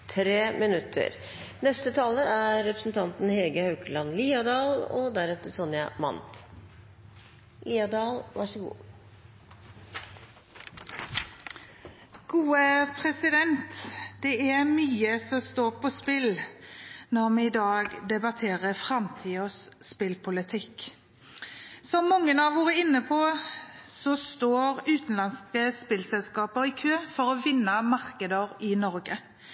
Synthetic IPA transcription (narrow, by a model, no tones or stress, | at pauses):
t̪ʰɾeːmɪnʉt̪ʰːə̰ɾ | nɛst̪ət̪ʰɑːləæɾɛpɾə̥sn̩t̪ʰɑnt̪n̩heːɡəhɑʉkəlɑnliːɑd̪ɑːlɔd̪æɾɛt̪ːəsɔnjɑ̰mɑ̰nt̪ | liːɑd̪ɑːlʋɑʂəɡṵː | ɡ̥uːəpʰʁɛsɪd̪ɛnt̪d̪̥ɛæʁmyːəsɔst̪oːʁpʰɔspɪl | nɔʁmɛɪd̪ɑːɡd̪ɛbɑt̪ʰeːʁəfɾɑmt̪ʰiːɔsspɪlpʰʊlɪt̪ʰɪk | sɔmːɔŋːənɑʋʋuːʁəɪnːəpʰɔ | sɔst̪oːʁʉːt̪n̩lɑnskəspɪlsɛlskɑːpəʁɪkʰøːfɔʁɔʋɪnːəmɑʁkəd̪əʁɪnɔʁɡə